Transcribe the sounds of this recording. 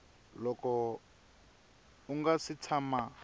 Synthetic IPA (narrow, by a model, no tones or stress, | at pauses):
lɔkɔ | uŋɡasit͡sʰama